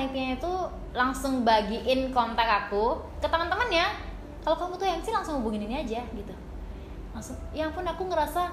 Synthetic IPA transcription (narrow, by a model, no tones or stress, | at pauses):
aik̪̚ɲait̪u | laŋsʊŋbaɡiʔɪnkɔnt̪ɛkaku | kət̪əmənt̪əmənɲa | kalokamut̪ujamasɪlaŋsʊŋhubuŋɪniniad͡ʒaɡit̪u | laŋsʊŋjaŋpʊnakuŋəɾasa